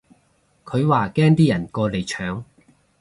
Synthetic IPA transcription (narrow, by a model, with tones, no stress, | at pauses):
kʰɵ˨˧ɥwaː˨kɛː˥ŋt̪iː˥jɐ˨˩nkɔː˧le˨jt͡ʃʰœː˨˥ŋ